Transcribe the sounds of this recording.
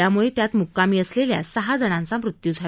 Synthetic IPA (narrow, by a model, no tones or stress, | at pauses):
amuɭet̪jat̪mukːamiːəslelja̰səɦad͡zəɽ̃ãnt͡samɾut̪jud͡zʱa